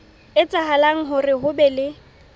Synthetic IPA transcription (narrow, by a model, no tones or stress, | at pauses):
ɪt͡sʼaɦalaŋ̩ɦʊrɪɦʊbɛlɪ